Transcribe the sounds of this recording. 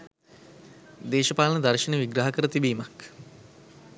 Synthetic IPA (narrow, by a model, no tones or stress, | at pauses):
d̪eːʃɐpaːlənəd̪arʃinəʋiɡɾaɦɐkəɾət̪ibiːmak